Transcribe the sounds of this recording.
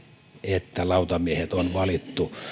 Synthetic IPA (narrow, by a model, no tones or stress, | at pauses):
et̪ːælɑˑut̪ɑmiehet̪onʋɑlit̪ːu